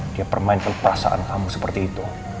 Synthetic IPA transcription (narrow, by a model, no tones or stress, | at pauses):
d̥iapərmaɪnkanpərasa̰ʔa̰nkamusəpərt̪iːt̪u